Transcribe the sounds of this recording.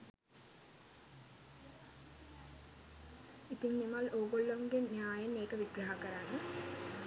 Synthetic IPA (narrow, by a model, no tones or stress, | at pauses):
it̪iɲnimaloːɡoɭːoŋɡennjaːjɐnːeːkɐʋiɡɾɐɦakɐɾaːnə